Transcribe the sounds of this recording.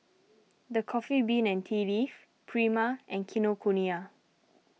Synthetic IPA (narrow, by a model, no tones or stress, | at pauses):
dəkʰɔfibĩnɛ̃ntʰilif | pʰɹimaʔɛ̃nkʰinokʰonia